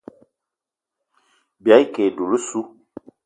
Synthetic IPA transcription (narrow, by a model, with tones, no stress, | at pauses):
bja˨˦jkɛ˨du˨lu˦su˦